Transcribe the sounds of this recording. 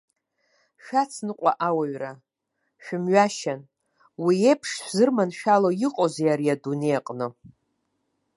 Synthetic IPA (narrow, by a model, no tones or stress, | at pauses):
ʃᶣat͡sʰnɨqʷʼa̰ʔawaɥra | ʃᶣʊmɥaʃan | wiepʰʂzɨrmanʃᶣalojiqʼozejaɾiadunejqʼnɨ